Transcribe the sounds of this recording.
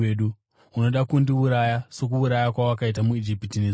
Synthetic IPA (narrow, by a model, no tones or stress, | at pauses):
eɗu | uno̞ɗakundiuɾajaso̞k̬uuɾajakwawakait̬amuid͡ʒipitine